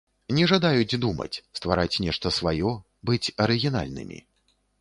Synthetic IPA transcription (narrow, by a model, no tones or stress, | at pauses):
nʲɛʐad̪ajud͡zʲd̪umɐ̰t͡sʲst̪va̰ɾʔat͡sʲnʲɛʂt̪ɐsvajɔ | bɨt͡sʲɐɾɨɣʲin̪a̰lʲnɨ̰mʲḭ